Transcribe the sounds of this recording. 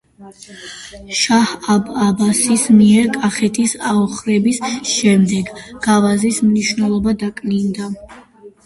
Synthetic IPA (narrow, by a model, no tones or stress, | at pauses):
ʃahababasismiɛɾkʼaχɛt̪ʰisaɔχɾɛbisʃɛmd̪ɛɡɡ̥avazismniʃwvnɛlˠɔbad̪akʼnind̪a